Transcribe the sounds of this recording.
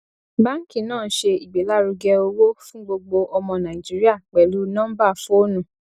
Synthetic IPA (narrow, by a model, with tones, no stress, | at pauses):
ba˦ŋ̩˦kĩ˦˨nãː˦˨˦ʃe˧i˨ɡ͡be˨˦la˦ɾu˧ɡɛ˧o˧wo˦fũ˦ɡ͡bo˧ɡ͡bo˧ʔɔ˧mɔ̃˧nã˨i˨d͡ʒi˨˦ɾi˦a˦˨k͡pɛ˨lu˨˦nã˦ba˦˨fo˦o˦nũ˦˨